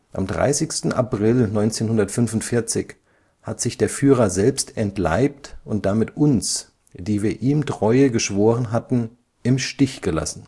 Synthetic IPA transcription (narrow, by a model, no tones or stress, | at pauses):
ʔa̰mdʁa̰ɪsɪçstn̩a̰pʁ̥ɪlnɔʏnt͡seːnhʊndɐtfʏnvʊntfɪɐt͡sɪç | hatz̥ɪçd̥eːɐfyːʁ̞ɐzɛlpstɛntla̰ɪp̚tʔʊnt̚d̥amɪtʔʊns | d̥iːviːɐʔiːmtʁ̥ɔʏəɡəʃv̥oːʁənɦatn̩ | ʔɪmʃtɪçɡ̥əla̰sn̩